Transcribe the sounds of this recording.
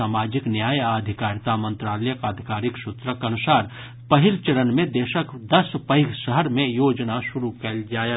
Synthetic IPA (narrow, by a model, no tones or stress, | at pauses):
aːmaːd͡ʒɪknjaːjaːd̪ʱɪkaːɾt̪amə̃nt̪ɾaːləjəkaːd̪ʱikaːɾɪksʊt̪ɾəkɐnʊsaːɾ | pɐɦɪlt͡ʃəɾənmẽd̪eːʃəkd̪ɐspəɪɡʃəɦəɾmẽjoːd͡ʒnaʃʊɾukəld͡ʒaːj